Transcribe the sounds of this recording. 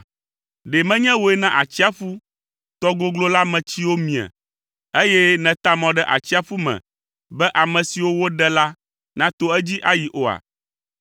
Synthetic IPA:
ɖe˨mɛ̃˦ɲɛ̃˦wo˨ɛ˦nã˦ʔa˨t͡ɕi˦a˦fu˦ | t̪ɔ˦ɡo˦ɡlo˦la˦mɛ̃˨t͡ɕi˦wo˦mĩ˨a̰˨ | e˦jɛ˦nɛ̃˨t̪a˦mɔ̃˨ɖɛ˦ʔa̰˨t͡ɕi˦a˦fu˦mɛ̰̃˨ | bɛ˦ʔa˨mɛ̃˨si˨wo˦wo˦ɖɛ˦la˦ | nã˦t̪o˦ɛ˦d͡ʑi˦ʔa˦ji˨ʔo˦a̰˨

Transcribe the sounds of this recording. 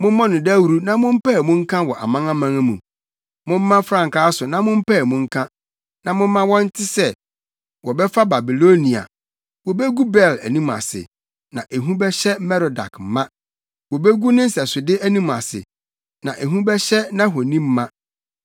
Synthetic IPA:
mʊ̃˦mɔ̃˦nʊ̃˨dɛ˦wu˨ɾu˦nã˨mʊ̃˦m̩˦pɛ˦˨mʊ̃˦ŋ̩˦kʰã˦wɔ˨ʔa˨mã˦ŋã˦mã˦ŋ˦mṵ̃˨ | mʊ̃˦m̩ː˦ã˦fɾã˨ŋ˨kaː˦sʊ˨nã˨mʊ̃˦m̩˦pɛ˦˨mũ˦ŋ̩˦kʰã˦ | nã˨mʊ̃˦m̩ː˦ã˦wɔ̃˦n̩˦tʰɪ˦sɛ˦ | wɔ˨bɛ˦fa˦ba˨bi˨lo˦nĩ˨a̰˨ | wɔ˨be˦ɡu˦bɛ˦˨læ˨nĩ˦ma̰˨sɪ̰˨ | nã˨ʔe˨ɦũ˦bɛ˦ɕɛ˦mɛ˦ɾɔ˨da̰˨km̩˨˦mã˦ | wɔ˨be˦ɡu˦nʊ̃˦n̩˦sɛ˨sʊ˨dɪ˦ʔæ˦nĩ˦ma̰˨sɪ̰˨ | nã˨ʔe˨ɦũ˦bɛ˦ɕɛ˦nã˦ɦo˨nĩ˦m̩ː˦ã˦

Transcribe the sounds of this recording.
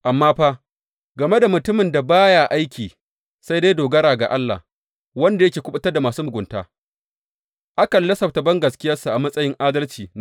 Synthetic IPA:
ʔa˨mːaː˦ɸaː˦ | ɡɐ˨me˦da˨mʊ˨tʊ˦mɪ˨nda˨baː˦jaː˨ʔa˦jkʲʰiː˨ | sa˦jde˦doː˨ɡɐ˦ɾaː˨ɡa̰˨ʔa˦lːa̰˨ | wɐ˦nda˨jɐ˦kʲeː˨kʷʊ˦ɓʊ˦tɐ˦rda˨maː˨suː˦mʊ˨ɡʷʊ˨nta̰ː˦ | ʔa˦kɐ˨lːɐ˦sɐ˨tɐ˨bɐ˦ŋɡɐ˨skʲɪ˦jɐ˦su˨ʔa˨mɐ˦sʼɐ˦jɪ˦ŋʔaː˦dɐ˦lt͡ʃiː˨n˦

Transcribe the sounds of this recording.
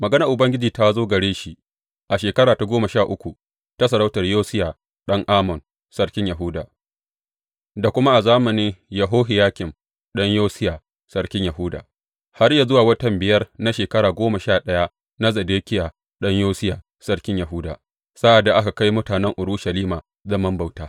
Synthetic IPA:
mɐ˨ɡɐ˦nɐ˨ʔʊ˨bɐ˦ŋɡʲɪ˦d͡ʒiː˨ta˦zoː˦ɡɐ˨ɽeː˦ʃi˦ | ʔa˨ʃeː˨kɐ˦ɽaː˨ta˨ɡʷoː˦mɐ˨ʃaː˦˨ʔʊ˦kʷu˨ | ta˦s̬ɐ˨ɾa˦wtɐ˨rjoː˦sɪ˦jaː˨ | ɗɐ˦ŋʔaː˦mɔ˨n | sɐ˦rkʲɪ˦ɲjɐ˨ɦʊ˦da̰ː˨ | da˨kʷʊ˦ma˦ʔa˨zaː˦mɐ˨nɪ˦ŋjɐ˨ɦoː˦ɦɪ˨jaː˦kʲɪ˨m | ɗɐ˦ɲjoː˦sɪ˦jaː˨ | sɐ˦rkʲɪ˦ɲjɐ˨ɦʊ˦da̰˨ | ha˦rja˨zʊ˦waː˨wɐ˦tɐ˨mbɪ˨jɐ˦rna˦ʃeː˨kɐ˦ɽaː˨ɡʷoː˦mɐ˨ʃaː˦˨ɗɐ˦ja˦ | na˦zɐ˨deː˦kʲɪ˦jaː˨ | ɗɐ˦ɲjoː˦sɪ˦jaː˨ | sɐ˦rkʲɪ˦ɲjɐ˨ɦʊ˦da̰ː˨ | sa˦ʔa˨dːa˨ʔa˦ka˨ka˦jmʊ˦taː˨nɛ˦ŋʔʊ˨ɽʊ˦ʃɐ˨liː˦maː˨ | zɐ˦mɐ˦mba˨wtaː˦

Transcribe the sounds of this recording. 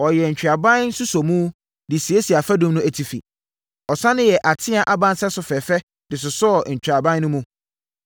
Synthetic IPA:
ɔ˨jɛ˨ɲ̩˨t͡ɕᶣɾa˨bã˦n̩˦sʊ˦sɔ˨mũ˦ | dɪ˨si˨e˦si˨a˨fæ˦dʊ̃˦mnʊ̃˦æ˨tʰi˨fḭ˨ | ɔ˨sã˦nʊ̃˦jɛ˨ʔa˨tʰɪ̃˦a˨ʔa˦bã˦nsɛ˦sʊ˨fɛ˨fɛ˦ | dɪ˨s̬ʊ˨sʊ˦ɔ˨ɲ̩˨t͡ɕᶣɾa˨bã˦nʊ̃˦mũ˦

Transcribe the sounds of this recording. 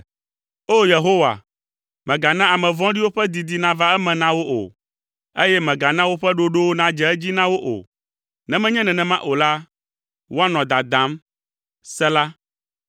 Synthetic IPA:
o˦je˨ɦo˦wa̰˨ | mɛ̃˨ɡa˨nã˦a˨mɛ̃˨vɔ̃˦ɖi˦wo˦ɸɛ˦d̪i˨d̪i˨nã˦va˦ɛ˦mɛ̃˨nã˦wo˦ʔo̰˨ | e˦jɛ˦mɛ̃˨ɡa˨nã˦wo˦ɸɛ˦ɖo˦ɖo˦wo˦nã˦d͡ʒɛ˨ɛ˦d͡ʑi˦nã˦wo˦ʔo̰˨ | nɛ̃˦mɛ̃˦ɲɛ̃˦nɛ̃˨nɛ̃˨mã˦ʔo˨la˦ | wo˦a˦nɔ̃˨d̪a˨d̪ã˨˦m | sɛ˦la˦

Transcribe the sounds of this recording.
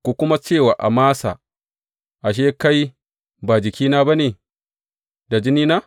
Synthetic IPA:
kʷu˨kʷʊ˦ma˦t͡ʃeː˦˨waː˨ʔa˨maː˦sa̰˨ | ʔa˨ʃ̬eː˦ka˦j | baː˨d͡ʒɪ˨kʲiː˦naː˦ba˦ne˨ | da˨d͡ʒɪ˦niː˦na˦

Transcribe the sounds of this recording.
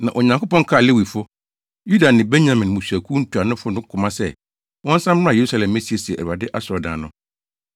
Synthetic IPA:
nã˨ʔɔ˨ɲã˨ŋko˦pɔ̃˦ŋ˦kʰa˦˨lɪ˦wi˨fʊ˦ | ju˦da˨nɪ̃˨bɛ̃˦nɲã˨mɪ̃˨n˨mũ˨sæ˨kʰu˦n̩˦tʰu˨a˨nʊ̃˦fʊ˦nʊ̃˦kʰʊ̃˨mã˦sɛ˦˨ | wɔ̃˦n̩˦sã˦m̃˦a˦˨je˨ɾu˦sa˦lɛ̃˨mːẽ˦si˦e˨sḭ˨a˨dɪ˦ʔa˦sʊ˨ɔ˨dã̰ː˨nʊ̃˦

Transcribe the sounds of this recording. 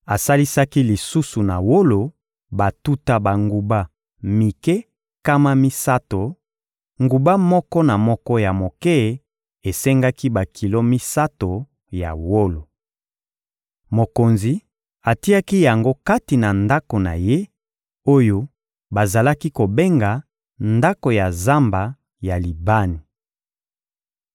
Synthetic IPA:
a˨sa˦li˦sa˦ki˦li˨su˦su˨na˨wo˦lo˨ | ba˨tu˦ta˦ba˨ŋɡu˨ba˦ | mi˨kɛ˦ | ka˦ma˦mi˦sa˦to˨ | ŋɡu˨ba˦mɔ˦kɔ˦na˨mɔ˦kɔ˦ja˨mo˨kɛ˦˨ | e˨se˦ŋɡa˦ki˦ba˨kʰi˨lo˦mi˦sa˦to˨ | ja̰˨wo˦lo˨ | mo˨ko˨nzi˨ | a˨ti˦a˦ki˦ja˨ŋɡo˦ka˦ti˨na˨nda˦ko˨na̰˨je˦ | o˦jo˦ | ba˨za˨la˦ki˦ko˨be˦ŋɡa˨ | nda˦ko˨ja˨za˦mba˨ | ja˨li˨ba˦ni˨

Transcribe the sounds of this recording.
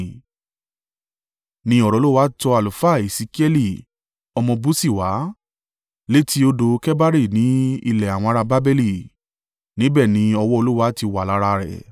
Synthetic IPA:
nĩ˧ɔ˨ɾɔ˨˧˦u˦wa˦tɔ˧a˨lu˨fa˦˨e˨si˨˧ki˦ɛ˦li˦˨ | ɔ˧mɔ̃˧bu˦si˦˨wa˨˦ | le˦ti˦o˧do˧kɛ˦ba˦ɾi˦˨nĩ˨˦ḭ˧lɛ˨a˨w̃ɔ̃˧a˧ɾa˧ba˦be˦li˦˨ | nĩ˨˦bɛ˦˨nĩ˨˦ɔ˧wɔ˦o˧lu˦wa˦ti˧wa˨la˨˦ɾa˧ɾɛ̰˨

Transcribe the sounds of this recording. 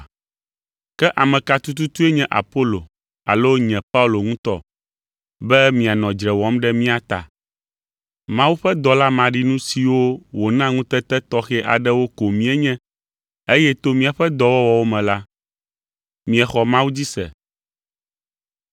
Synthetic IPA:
kɛ˦ʔa˨mɛ̃˨ka˨t̪u˦t̪̬u˦t̪u˦e˦ɲɛ̃˦ʔa̰˨po˦lo˨ | a̰˨lo˦ɲɛ̃˨pa˦u˨lo˨ŋũ˦t̪ɔ̰˦ | bɛ˦mĩ˨a˨nɔ̃˨d͡ʒɾɛ˨wɔ˨˦mɖɛ˦mĩ˦a˨t̪a̰˨ | mã˦wu˦ɸɛ˦d̪ɔ˨la˦mã˨ɖi˦nũ˦si˨wo˦wo˨nã˦ŋũ˦t̪ɛ˦t̪ɛ˦t̪ɔ˦xɛ˦ʔa̰˨ɖɛ˦wo˦ko˨mĩ˦ɛ˦ɲɛ̃˦ | e˦jɛ˦t̪o˦mĩ˦a˨ɸɛ˦d̪ɔ˨wɔ˦wɔ˨wo˦mɛ̃˨la˦ | mĩ˨˦ɛ˨xɔ˨mã˦wu˦d͡ʑi˦sɛ̰˨

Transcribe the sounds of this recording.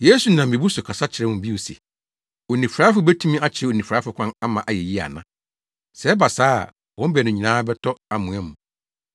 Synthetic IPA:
je˦su˨nã˨m̩˨ĩ˨bu˦sʊ˨kʰa˨sa˦t͡ɕʰɪ˨ɾɛ˦wʊ̃˨m˨bi˦wo˨sɛ̰˨ | o˨nĩ˨fɾa˦fʊ˨bɛ˦tʰũ˦mĩ˦a˦t͡ɕʰɪ˨ɛ˦o˨nĩ˨fɾaː˨˦fʊ˨kʰʷã˦na˦mã˨ʔa˨jɛ˨ji˦a̰˨nã̰˦ | sɛ˦ɛ˦ba˨saː˦a̰˨ | wɔ̃˦m̩˦bɛ˨nʊ̃˨ɲĩ˨nãː˦bɛ˦tʰɔ˦a˨mũ˨ɛ̃˦mũ˨

